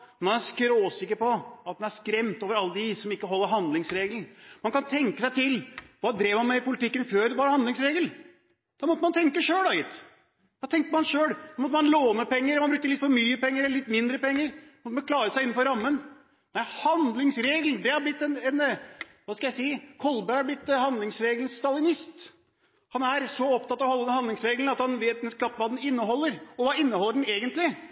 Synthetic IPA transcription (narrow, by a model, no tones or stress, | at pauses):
mɑnæskɾoːsɪkːəɾpɔɑt̪̚d̪ɛnæskɾɛmt̪oːʋəɾɑlːəd̪ɪsɔmɪkːəɦɔlːəɾɦɑnd̪lɪŋsɾeːɡln̩mɑnkɑnt̪ʰɛŋkəsæɪt̪ʰɪlʋɑːd̪ɾeːʋmɑnmæɪpʊlɪt̪ɪkːənføːɾʋɑɾhɑnd̪lɪŋsɾeːɡəl | d̪̥ɑmɔt̪ːəmɑnt̪ʰɛŋkəʂøːlɑjɪt̪ː | ʋ̪ɑːt̪ʰɛŋkt̪əmɑnʂøːɽd̪ɑmɔt̪ːəmɑnloːnəpɛŋːəɾɛmɑnbɾʉk̚t̪əlɪt̪fɔɾmyːəpɛŋːəɾɛlːəlɪt̪ːmɪnd̪ɾəpɛŋːəɾmɔt̪əmɑnklɑːɾəsæɪɪn̩ːfɔɾɑmːən | d̪æhɑnd̪lɪŋsɾeːɡl̩d̪ɛhɑɾblɪt̪ːɛnɛn | ʋɑːskɑjæɪsiːkʰɔlbæɾhɑɾblɪt̪ːhɑnd̪lɪŋsɾeːɡln̩st̪ɑlɪnɪst̪ | hɑnæɾsɔɔpt̪ɑt̪ːɑʋhɔlːəd̪nhɑnd̪lɪŋsɾeːɡln̩ɑt̪hɑnʋeːt̪d̪ɛnskʰɾɑp̪ːʋɑːd̪ɛnɪnːəɦɔlːəɾɔʋɑːɪnːəɔlːəɖɛneːɡənt̪lɪ